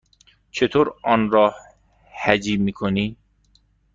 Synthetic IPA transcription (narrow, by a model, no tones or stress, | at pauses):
t͡ʃʰet̪ʰoːɾɒːnɾɒːh | hæd͡ʒiːmiːkʰoniː